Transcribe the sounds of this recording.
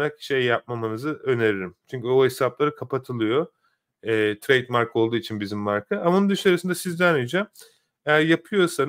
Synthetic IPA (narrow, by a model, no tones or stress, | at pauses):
ɾakʃe̞jːap̚mamanɯzɯʔø̞neɾiɾimt͡ʃʰyɲcyohesaplˠaɾɯkʰapʰat̪ʰɯlˠɯjo̞ | ɛːt̪ʰɾejd̪maɾko̞lˠd̪uːit͡ʃʰinbizimːaɾkʰɯamanund̪ɯʃaɾɯsɯnd̪asizd̪anyd͡ʒam | ejæɾjapʰɯjo̞san